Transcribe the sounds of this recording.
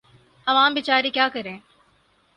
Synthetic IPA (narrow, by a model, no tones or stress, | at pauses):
ɐʋaːmbɪt͡ʃaːɾikjaːkɐɾẽː